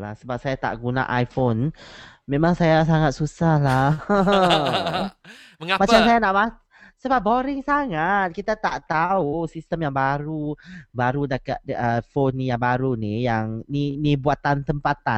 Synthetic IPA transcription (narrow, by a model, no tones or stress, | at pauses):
la̰hsəbap̚sajat̪a̰ʔɡuna̰ʔajfonmemãŋsajas̬aŋat̪̚susahla | mat͡ʃamsajanaʔma | səbap̚boɾɪŋsaŋat̪̚kit̪at̪aʔt̪ausist̪əmjaŋbaɾubaɾudakat̪əfonjaŋbaɾunijaŋninibuat̪ant̪əmpat̪a